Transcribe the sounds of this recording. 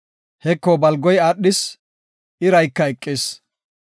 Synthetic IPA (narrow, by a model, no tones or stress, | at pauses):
hɛkːoːbɐlɡɔjaːɗːɪs | ʔɪɾɐjkːɐɛkʼːeːs